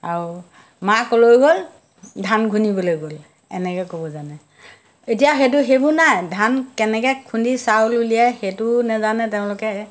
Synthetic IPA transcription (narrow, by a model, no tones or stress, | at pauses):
aɹu | makɔlojɡol | dʱanɡʱunibɔlojɡol | ɛ̰nɛkɛkobɔzanɛ | etijaxet̬ʊɦebʊnajdʱankɛnɛkɛkʰundisawlulijajxetʊnɛzanɛtɛʊ̃lʊkɛ